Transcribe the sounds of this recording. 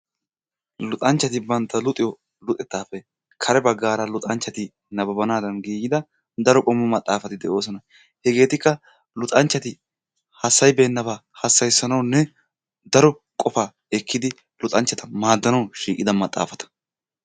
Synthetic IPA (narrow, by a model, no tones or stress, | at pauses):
lʊt̪ʼɐnt͡ʃːɐt̪ɪbɐnt̪ːɐlʊt̪ʼːɪjɔ | lʊt̪ʼɛt̪ːaːfɛ | kʰɐɾɛbɐɡːaːɾɐlʊt̪ʼɐnt͡ʃːɐt̪ɪ | nɐbɐbɐnaːd̪ɐnɡiːɡɪd̪ɐ | d̪ɐɾɔkʼɔmːʊmɐt̪ʼːaːfɐt̪ɪd̪ɛʔo̞ːsɔnɐ | hɛɡe̞ːt̪ɪkːɐ | lʊt̪ʼɐnt͡ʃːɐt̪ɪ | hɐsːɐjbe̞ːnːɐbaːhɐsːɐjsːɐnɐwnːɛ | d̪ɐɾɔ | kʼɔfaː | ɛkʰːɪd̪ɪ | lʊt̪ʼɐnt͡ʃːɐt̪ɐmaːd̪ːɐnɐwʃiːkʼɪd̪ɐmɐt̪ʼːa̰ːfɐt̪ɐ̥